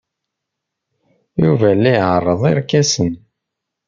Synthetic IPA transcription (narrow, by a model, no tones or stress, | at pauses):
juvælːæjʕərˤːəðˤiɾkːæsən